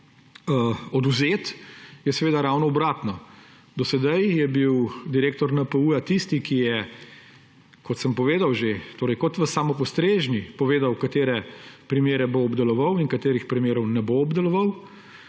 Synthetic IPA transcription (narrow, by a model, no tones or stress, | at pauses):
ɔd̪uzeːt̪jɛsɛʋeːd̪aɾawnɔɔbɾaːt̪nɔ | d̪ɔsɛd̪ajjɛbiwd̪iɾeːk̚t̪ɔɾnəpəuːjat̪ist̪ikijɛ | kɔt̪səmpɔʋeːd̪awʒet̪oːɾɛjkɔt̪ʋəsaːmɔpɔst̪ɾeːʒnipɔʋeːd̪awkat̪eːɾɛpɾimeːɾɛboːbd̪ɛlɔʋɐwinkat̪eːɾixpɾimeːɾɔwnɛboːbd̪ɛlɔʋaw